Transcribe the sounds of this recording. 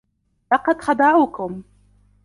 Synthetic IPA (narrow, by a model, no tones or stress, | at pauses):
lɑqɑd̪xɑd̪ˤɑʕuːkʊm